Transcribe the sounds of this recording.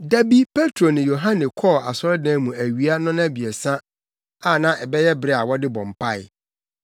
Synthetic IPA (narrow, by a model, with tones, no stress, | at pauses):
dæ˦bi˦pʰe˦tʰɾo˨nɪ̃˨jo˨ɦã˦nɪ̃˨kʰɔ˦˨a˨sɔ˦ɾdɛ̃ː˦mũ˨æ˨ɥi˨˦a˦nʊ̃˦nã˦bi˨ɛ˨sã˦ | a˨nã˦ʔɛ˨bɛ˦jɛ˦bɾɛ˦a˨wɔ˦dɪ˦bɔ̃˨m˨pʰa˦˨ɪ̰˨